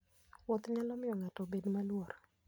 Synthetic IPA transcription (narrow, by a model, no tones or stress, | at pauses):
wɔt̪ɲalɔmɪjɔŋatɔbedmalwoɾ